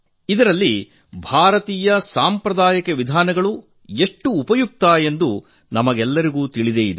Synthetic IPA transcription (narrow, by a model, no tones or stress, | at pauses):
id̪ɐɾɐlːi | bʱaːɾɐt̪iːjɐsaːmpɾɐd̪aːjɐkeʋid̪ʱaːnɐɡɐɭu | e̞ʂʈːuːpɐjuk̚t̪aːje̞nd̪u | nɐmɐɡɛlːɐɾiɡuːt̪iɭid̪eːid̪e